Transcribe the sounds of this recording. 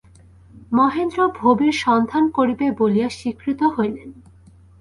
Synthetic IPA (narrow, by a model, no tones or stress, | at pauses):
mɔɦend̪ɾobʱobiɾʃɔnd̪ʱankoɾibebolijaʃikɾit̪oɦoelen